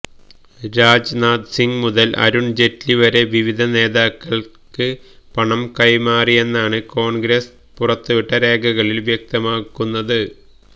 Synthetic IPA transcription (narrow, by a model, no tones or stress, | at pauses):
ɾaːd͡ʑnaːd̪siŋɡmuðɐlʔɐ̰ɾuɳd͡ʑe̞tːliʋɐɾe̞ʋiʋid̪ʱɐne̞ːðaːkːɐɭ | kɨ | pɐɳɐmkɐjmaːrije̞nːaːɳɨko̞ːɳɡɾɐs | purɐt̪ːɨʋiʈːɐɾe̞ːɡʱɐɣɐɭilʋjɐk̚t̪ɐmaːkːunːɐðɨ